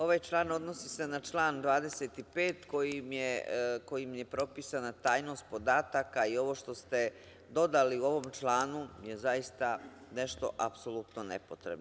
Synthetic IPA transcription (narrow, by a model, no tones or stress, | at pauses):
o̞ʋajt͡ʃlˠaːno̞d̪no̞sise̞nat͡ʃlˠaːnd̪ʋaːd̪e̞set̪ipe̞ːt̪ko̞jimjeko̞jimje̞pɾo̞pisanat̪aːjno̞st̪̚po̞d̪aːt̪akaio̞ʋo̞ʃt̪o̞st̪e̞ | d̪o̞d̪aliuo̞ʋo̞mt͡ʃlˠaːnuje̞zajist̪a | ne̞ʃt̪o̞̰ʔapso̞lut̪no̞nḛpo̞t̪ɾḛbno